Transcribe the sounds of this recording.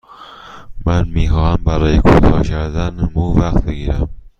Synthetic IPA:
mænmiːxɒːhæmbæɾɒːjekʰut̪ʰɒːkʰæɾd̪ænmuvæqt̪̚beɡiːɾæm

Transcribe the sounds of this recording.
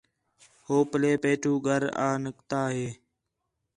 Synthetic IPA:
hoːpəleːpeːʈʰuːɡʱəɾa̰ːnəkt̪aːɦeː

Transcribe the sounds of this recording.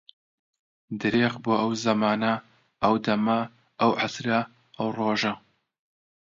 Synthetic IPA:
d̪ɨɾeːʁboːʔɐwzɐmaːnɐ | ʔɐwd̪ɐmɐ | ɐwʕasɾɐ | ʔɐwroːʒɐ

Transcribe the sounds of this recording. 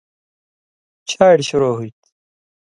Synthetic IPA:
t͡ɕʰaːiɽɕuɾoːɦuit̪

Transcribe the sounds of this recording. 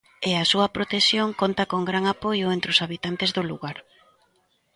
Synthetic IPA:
eɐsuɐpɾot̪esjoŋkont̪ɐkoŋɡɾaŋapojʊent̪ɾɪʊsaβit̪ant̪ezðoluɣaɾ

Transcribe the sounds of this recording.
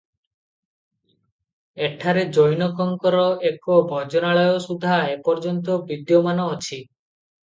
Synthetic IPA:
eʈʰaɾed͡ʒɔjnɔkɔŋkɔɾɔekobʱɔd͡ʒɔnaɭɔjɔsud̪ʱaepɔɾd͡ʒɔnt̪̬ɔbid̪jɔmanɔːt͡ʃʰi

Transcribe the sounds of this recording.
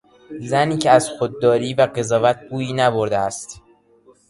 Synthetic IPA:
zæniːcʰeæzxod̪̚ːɒːɾiːvæɢe̞zɒːvæt̪̚ʰɡuːjiːnæboɾd̪eæst̪

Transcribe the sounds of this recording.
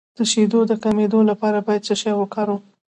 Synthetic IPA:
d̪̥əʃed̪od̪əkamed̪olapɑɾabɑjad̪̚səʃɑjwəkɑɾu

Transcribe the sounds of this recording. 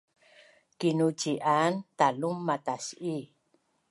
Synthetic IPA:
kinut͡ʃiʔant̪alumːatasi

